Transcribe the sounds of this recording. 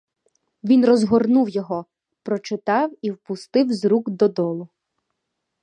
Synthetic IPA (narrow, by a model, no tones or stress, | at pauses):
ʋʲinrɔzɦɔrnuwjɔɦɔ | pɾɔt͡ʃɪt̪ɑwiwpʊst̪ɪwzɾuɡd̪ɔd̪ɔlˠʊ